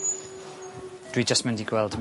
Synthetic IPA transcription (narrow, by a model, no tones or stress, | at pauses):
d̥wid͡ʒastmɛndiɡwɛlˠdm